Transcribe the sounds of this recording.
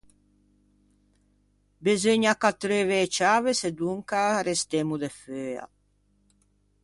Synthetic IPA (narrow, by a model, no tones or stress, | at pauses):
bezøɲakat̪ːɾeveːt͡ʃaːvesed̪uŋkaɾest̪emud̪eføːa̰